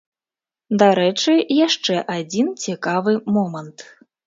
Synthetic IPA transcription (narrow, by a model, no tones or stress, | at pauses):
d̪aɾɛt͡ʂɨjaʂt͡ʂɛʔad͡zʲint͡sʲikavɨmɔmɐnt̪